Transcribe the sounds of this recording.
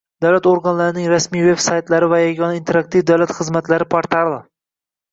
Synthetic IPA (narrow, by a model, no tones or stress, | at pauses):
d̪awlat̪oɾɡanlaɾɪnɪŋɾasmijve̞bsajt̪laɾɪvajaɡʲɒnaint̪ʰe̞ɾakt̪ʰivd̪awlat̪χɨzmat̪laɾɪpʰaɾt̪ʰalˠa